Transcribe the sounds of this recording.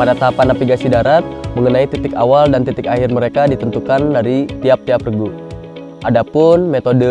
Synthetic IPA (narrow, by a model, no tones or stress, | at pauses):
padat̪aapanːafiɡasidaɾat̪̚məŋənait̪it̪ɪkawaldant̪it̪ɪkaɦɪrməɾekadit̪ənt̪ukandaɾit̪iap̚t̪iaprəɡu | ʔadapʊnmet̪odə